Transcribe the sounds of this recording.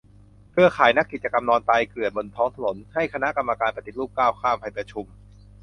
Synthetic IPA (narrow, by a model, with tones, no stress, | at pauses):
pʰɯ˥˩ɐkʰaː˩˦jna˦˥kːi˨˩t̪̚t͡ɕa˧ka˧mnɔː˧nt̪a˧jkɯ˨˩ət̪̚bo˧nt̪ʰɔː˦˥ŋt̪ʰa˧no˩˦nha˥˩jkʰa˧na˦˥ʔka˧mːa˧kaː˧npɾa˧t̪i˨˩t̪̚luː˥˩p̚kaː˥˩wkʰaː˥˩mpʰa˧˩jpɾa˧t͡ɕʰu˧m